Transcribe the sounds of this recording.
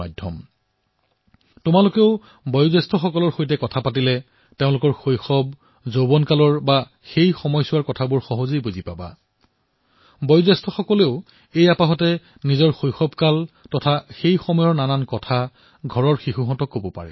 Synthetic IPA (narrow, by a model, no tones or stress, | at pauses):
adʱɔ̰m | tʊmalʊkeʊ | bɔjʊzɛstʰɔxɔkɔlɔɹxojtɛkɔtʰapat̬ilɛ | teʊ̃lʊkɔɹxojxɔb̚ | zobɔnkalɔɹba | xejxɔmɔjsʊwaɹkɔtʰabʊɹxɔɦɔzijbuzipaba̰ | bɔjʊzɛstʰɔxɔkɔleʊ | ejapaɦɔtɛ | nizɔɹxojxɔbkaltɔtʰaxejxɔmɔjɔɹnanankɔtʰa | ɡʱɔɹɔɹxixuɦɔtɔkːobɔpa̰ɹɛ̰